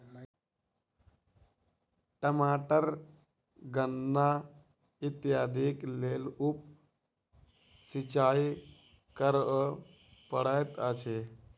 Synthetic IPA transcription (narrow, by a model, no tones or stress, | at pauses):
ʈəmaʈəɾ | ɡənːa | it̪jad̪iklelup̚ | sit͡ʃai | kəɾ | pəɽəjt̪ət͡ʃʰe